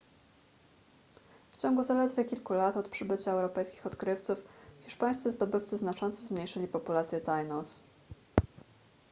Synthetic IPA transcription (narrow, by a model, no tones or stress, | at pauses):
ft͡ɕɔŋɡuzalɛd̪vʲɛkʲilkulat̪ɔt̪pʂɘbɘt͡ɕaɛwɾɔpɛjskʲi̥xɔt̪kɾɘft̪sufxʲiʂpaj̃st̪sɘzd̪ɔbɘft̪sɘznat͡ʂɔnt̪sɛzmɲejʂɘlʲipɔpulat̪sʲjɛt̪ajnɔs